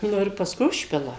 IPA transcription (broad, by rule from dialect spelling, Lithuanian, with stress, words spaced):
ˈnʊ ɪr pɐsˈkʊɪ ˈʊʃʲpʲɪlˠɐ